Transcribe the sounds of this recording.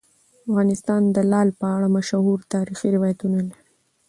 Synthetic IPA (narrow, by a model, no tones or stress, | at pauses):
afɣɑnɪst̪ɑnd̪əlɑlpəaɽamaʃahuɾt̪ɑɾixiɾɪwɑjat̪unalaɾi